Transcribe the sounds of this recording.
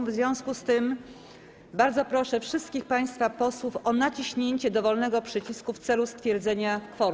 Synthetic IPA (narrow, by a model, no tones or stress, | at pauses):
vzvʲjɔ̃w̃skust̪ɘm | baɾd̪zɔpɾɔʂɛfʂɘst̪̚kʲixpaj̃st̪fapɔswufɔnat͡ɕiɕɲeɲt͡ɕɛd̪ɔvɔlnɛɡɔpʂɘt͡ɕiskuft̪sɛlust̪fʲjɛɾd̪zɛɲafɔɾ